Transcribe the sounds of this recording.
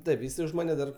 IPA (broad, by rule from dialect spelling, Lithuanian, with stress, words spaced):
ˈtɐɪp jɪˈsɐɪ ʊʃ ˈmɑːnʲɛ dɐr